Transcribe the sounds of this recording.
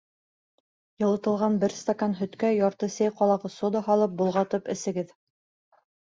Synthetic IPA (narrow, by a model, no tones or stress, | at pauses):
jɤ̆lˠɤ̆t̪ɤ̆lˠʁɑnbɘɾst̪akanɦɵ̆t̪kæjɑɾt̪ɤsæjqɑlˠɑʁɤsod̪ɑhɑlˠɤp̚bulˠʁɑt̪ɤpɘ̆sɘ̆ɡɘð